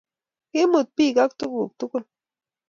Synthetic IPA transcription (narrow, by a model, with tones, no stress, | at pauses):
i˦mɨ˨t̪̚pi˦ɡa˦k̚t̪u˦ku˨k̚t̪u˦ku˦n